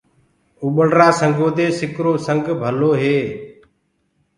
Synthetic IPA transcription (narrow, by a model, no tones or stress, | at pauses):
uɓəɽɾaːsəŋɡoːd̪eːsɪkɾoːsəŋɡbʱəloːɦeː